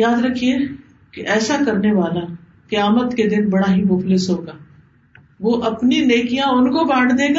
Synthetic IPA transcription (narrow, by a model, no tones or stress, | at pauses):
jaːd̪ɾɐkʰie | keʔɛːsakɐɾneʋaːla | kɐjaːmət̪ked̪ɪnbɐɽaɦimʊflɪsɦoːɡaː | ʋoːʔɐpnineːkijãʊnkobãːɽd̪eːɡaː